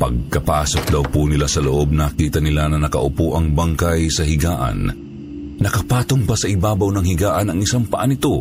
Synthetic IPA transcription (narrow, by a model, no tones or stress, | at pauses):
pɐ̰ɡ̚kɐpaːso̞k̚d̪ɐwpunɪlasɐloʔo̞b̚nakiːt̪ɐnɪlanɐnɐkɐ̰ʔʊpuʔɐŋbaŋkɐjsɐɦɪɡaːʔɐ̰n | nɐkɐpaːt̪oŋpɐsɐʔɪbaːbɐwnɐŋhɪɡaːʔɐnɐŋɪsaŋpɐʔanɪt̪o̞